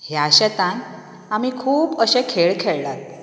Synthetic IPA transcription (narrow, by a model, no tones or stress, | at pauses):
hjaɕɛt̪ãn | amiːkʰuːpəɕẽkʰeɭkʰeɭlat̪